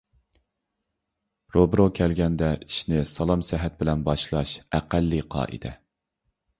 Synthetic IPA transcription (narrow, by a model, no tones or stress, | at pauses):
ɾobɾokʲʰɛlɡʲɛnd̪ɛiʃnɪsɑlˠɑmsæɦɛt̪̚bɪlɛnbɑʃlˠɑʃæqælːiqʰɑ̰ːʔɨ̰d̪ɛ